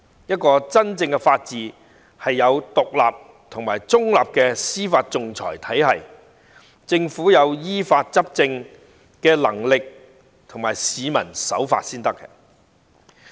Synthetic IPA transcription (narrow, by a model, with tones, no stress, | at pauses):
jɐ˥t̚kɔː˧t͡sɐ˥nt͡sɪ˧ŋkɛ˧faː˧t̚t͡siː˨˧ | hɐ˨jːɐ˨˧wt̪ʊ˨k̚la̰ː˨p̚ | t̪ʰʊ˨˩ŋmaː˨˩jt͡sʊ˥ŋla̰ː˨p̚kɛː˧siː˥faː˧t̚t͡sʊ˨ŋt͡sʰɔ̰ː˨˩jt̪ʰɐ˨˥jɦɐ˨j | t͡sɪ˧ŋfuː˨˥jɐ˨˧wjiː˥faː˧t̚t͡sɐ˥p̚t͡sɪ˧ŋ | kɛː˧lɐ̰˨˩ŋlɪ˨k̚ | t̪ʰʊ˨˩ŋmaː˨˩jsiː˨˧mɐ˨˩nsɐ̰˨˥wfa̰ː˧t̚siː˥nt̪ɐ˥kːɛ˧